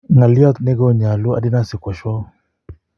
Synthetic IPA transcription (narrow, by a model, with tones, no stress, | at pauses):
ŋa˨li˦ɔ˦t̪nɛ˦ɡɔ˦ɲa˨lu˦a̰˨di˦na˦sɪ˨kwa˨ʃɔ˦